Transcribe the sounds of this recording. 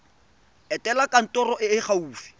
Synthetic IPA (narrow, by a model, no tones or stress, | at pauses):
ɛtʼɛlakʼan̩tʼɔrɔʔɪɪχauːfi̥